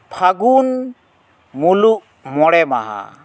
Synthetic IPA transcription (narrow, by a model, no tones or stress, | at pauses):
pʰaɡun | muluʔ | mɔɽɛma̰ɦa̰